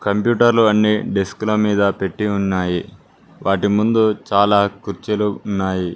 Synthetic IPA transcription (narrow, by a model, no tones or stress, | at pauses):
kɐmpjuːʈɐɾluɐnːiɖesklomiːd̪ɐpe̞ʈːiunːaːji | ʋʔaːʈimund̪ut͡ʃaːlaːkuɾt͡ʃɐluːnːaːji